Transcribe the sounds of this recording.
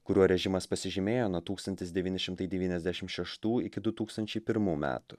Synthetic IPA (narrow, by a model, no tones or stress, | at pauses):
kʊɾʲuɔɾʲɛʒʲɪmɐspɐsʲɪʒʲɪmʲeːjoːnuɔt̪uːkst̪ɐnʲt̪ʲɪsd̪ʲɛʋʲiːnʲɪʃʲɪmt̪ɐɪd̪ʲɛʋʲiːnʲɛzʲd̪ʲæʃʲɪmʃʲɛʃt̪uːɪkʲɪd̪ʊt̪uːkst̪ɐnʲt͡ʃʲɛɪpʲɪɾmuːmʲæ̰ːt̪ʊ